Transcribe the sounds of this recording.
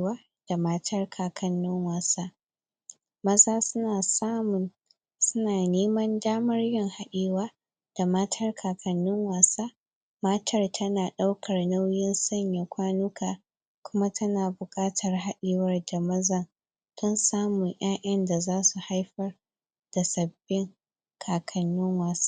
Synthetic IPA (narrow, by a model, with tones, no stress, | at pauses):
waː˦ | d̥a˨ma˦tʰɐ˦rkʰaː˨kʰɐ˨nːʊ˦ŋwaː˨sa˦ | mɐ˦zaː˦sʊ˦naː˨saː˦mʊ˨n | sʊ˦naː˨neː˦mɐ˦ndaː˦mɐ˦rjɪ˦˨ŋha˦ɗeː˨waː˦ | d̥a˨ma˦tʰɐ˦rkʰaː˨kɐ˨nːʊ˦ŋwaː˨saː˦ | maː˦tʰɐ˦rtʰɐ˦naː˨ɗa˦wkʰɐ˨rna˦wjɪ˦nsɐ˦ɲja˨kʷaː˦nʊ˦kʰaː˨ | kʷʊ˦ma˦tʰɐ˦naː˨bʊ˨kʼaː˦tʰɐ˨rɦa˦ɗɪː˦˨wɐ˦rda˨mɐ˦za˦ | tɔ˦nsaː˦mʊ˨ɲʔaː˦ʔɐ˦nda˨zaː˦su˨ha˦jɸɐ˦r | d̥a˨sɐ˨bːɪ˦ŋ | kʰaː˨kʰɐ˨nːʊ˦ŋwaː˨sḁ˦